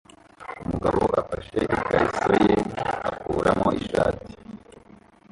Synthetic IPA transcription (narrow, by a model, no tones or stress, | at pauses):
umuɡaβo̞ʔafaʃe̞ʔikaɾiso̞je̞akuːɾamo̞ʔiʃaːti̥